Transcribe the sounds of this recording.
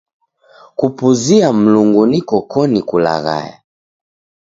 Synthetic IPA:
kupuziam̩luŋɡunikɔkʰɔnikula̰ɣa̰ja̰

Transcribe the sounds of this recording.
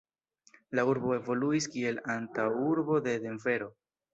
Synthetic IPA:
lauɾbo̞e̞vo̞luiskie̞lantawuɾbo̞de̞de̞mve̞ɾo̞

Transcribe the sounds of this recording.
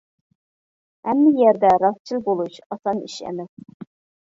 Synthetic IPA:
ɛmːɪjɛɾd̪ɛɾɑst͡ʃʰilˠbolˠuʃɑsɑnḭʃɛ̰mɛs

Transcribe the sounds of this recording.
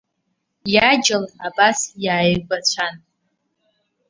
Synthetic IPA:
jad͡ʒɪlabasjaːjbat͡ɕʷʰan

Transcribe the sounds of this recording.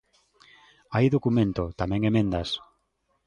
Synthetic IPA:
ajðokumẽnt̪ot̪amɛ̃ŋemẽnd̪ɐs

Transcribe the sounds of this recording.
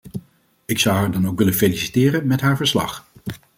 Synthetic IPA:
ɪksʌwɦaːɹdɑnowkʋɪlənfelisitɪːrənmɛtɦaːɹvəɹslɑ̰χ

